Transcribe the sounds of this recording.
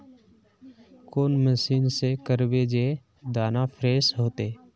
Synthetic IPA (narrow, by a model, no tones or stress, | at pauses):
koːnməsiːnsekəɾbed͡ʒe | d̪aːnapʰɾeːsɦoːt̪eː